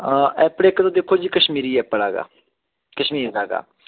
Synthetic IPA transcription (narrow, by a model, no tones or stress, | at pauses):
ɛːpɽeːknõːd̪eːkʰoːd͡ʒiːkəʃmiːɾiːɛːpəɽaːɡa̰ː | kəʃmiːɾdaːɡa̰ː